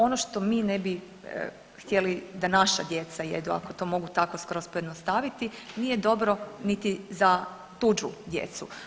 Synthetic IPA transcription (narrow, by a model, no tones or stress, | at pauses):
o̞noʃt̪o̞miːnebḭ | xt̪ʲje̞lid̪anaʃa̰d̪je̞t̪sajḛd̪ua̰kot̪o̞ːmo̞ɡut̪ako̞skɾospojed̪nost̪aʋit̪inije̞d̪o̞bɾo̞nit̪iza | t̪ud͡ʒud̪je̞̰t̪su